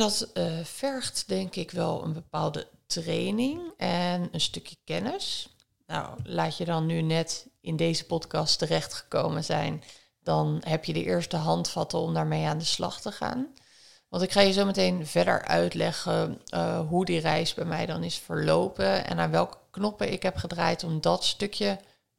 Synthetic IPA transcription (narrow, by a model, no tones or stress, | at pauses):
dɑtfɛɹχtdɛŋkɪkʋɛlˠə̰nbəpaːlˠdətrejnɪŋɛnənstɵkjəkɛnəs | na̰wlaːtədɑnːynɛtɪndejzəpɔtkɑstərɛχtχə̥kowmənzɛ̰jn | d̥ɑnɦɛpjədəʔɪːɹstəɦɑntfɑtəɔmdaːɹmejaːndəslɑ̰χtəχa̰ːn | ʋɑntɪkχaːjəzowmətejnvɛdə̰ɹʔœ̰ɥtlɛχə | ɦudirɛjzbɛjmɛ̰jdɑnɪsfəɹlowpəɛ̰naːʋɛlˠkə̥knɔpəɪkɦɛpχədraːjtɔmdɑtstɵkjə